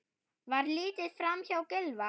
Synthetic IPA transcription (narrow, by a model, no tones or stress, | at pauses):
vaɾliːt̪ɪðfɾamçawkɪlva